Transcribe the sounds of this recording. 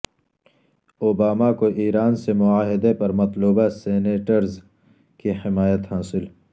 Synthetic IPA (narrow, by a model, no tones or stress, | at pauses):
obaːmakoʔiːɾaːnsemʊaːɦɪd̪epɐɾmɐt̪luːbaseːneːʈəɾz | kiħɪmaːjət̪haːsɪl